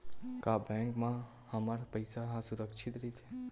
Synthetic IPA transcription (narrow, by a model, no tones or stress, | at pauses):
kabɛ̃ŋkmã | həmaɾpəjsaɦãsuɾəkʃʰit̪ɾit̪ʰe